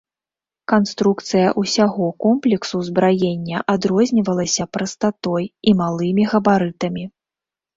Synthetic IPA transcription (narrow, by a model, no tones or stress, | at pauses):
kanst̪ɾukt̪sɨjɐʔusʲaɣɔkɔmplʲɛksuzbɾajenʲːɐʔad̪ɾɔzʲnʲivɐlˠɐsʲɐpɾɐst̪at̪ɔjimalˠɨmʲiɣɐbaɾɨt̪ɐmʲi